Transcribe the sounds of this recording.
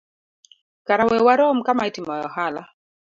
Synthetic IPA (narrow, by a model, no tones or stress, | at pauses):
kaɾawɛwaɾɔmkamaitimɔjɔ̰hala